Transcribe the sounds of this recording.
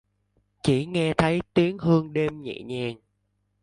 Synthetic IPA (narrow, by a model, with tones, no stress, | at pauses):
t͡ɕi˧˩ŋɛ˧t̪ʰə˨˦jt̪i˨˦əŋɦɨ˧əŋɗe˧mɲḭ˧˨ɲɛ˧˩n